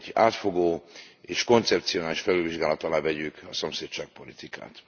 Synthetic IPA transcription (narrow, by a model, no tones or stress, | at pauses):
ɟa̰ːt̪fo̞ɡoːeːʃko̞nt̪sɛpt̪sioaːliʃfɛlyviʒɡaːlɒt̪ɒlaːvɛɟykɒsomseːtt͡ʃaːk̚po̞lit̪ika̰ːt̪